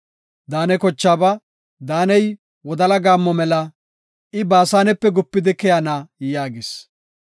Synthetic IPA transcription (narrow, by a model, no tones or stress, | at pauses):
d̪aːnɛkɔt͡ʃːaːbɐ | d̪aːnɛj | wɔd̪ɐlɐɡaːmːɔmɛlɐ | ʔɪbaːsaːnɛpːɛɡʊpːɪd̪ɪkɛjanaːjaːɡɪs